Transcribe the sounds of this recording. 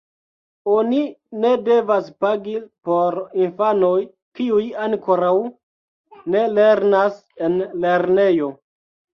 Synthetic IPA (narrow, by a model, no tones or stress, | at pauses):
o̞nine̞de̞vaspaɡipo̞ɾinfano̞j | kiujaŋko̞ɾaw | ne̞le̞ɾnas | e̞nle̞ɾne̞jo̞